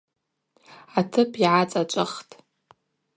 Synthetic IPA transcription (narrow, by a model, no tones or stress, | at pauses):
atʰɨpʰiʕat͡sʼat͡ʃʷʼɨχtʼ